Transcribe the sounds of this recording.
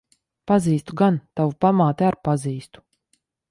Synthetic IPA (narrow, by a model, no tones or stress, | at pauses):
paziːst̪uɡant̪avupamaːt̪eaɾpaziːst̪u̥